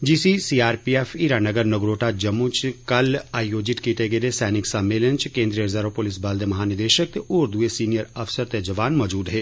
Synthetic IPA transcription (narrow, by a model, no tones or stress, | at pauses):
d͡ʒisisiːaːɾpiɛːfʰiːɾaːnːəɡəɾnəɡɾoːʈad͡ʒɐmːũt͡ʃkɐlaːjoːd͡ʒɪt̪kit̪eɡed̪esɛːnɪksəmːeːlənt͡ʃkẽːnd̪ɾijəɾzəɾopolɪsbald̪emɐɦaːnɪd̪eːʃək̚t̪eʔoːɾd̪uesiːnijəɾɐfsəɾt̪ed͡ʒɐʋaːnmɔːd͡ʒuːd̪ɦeː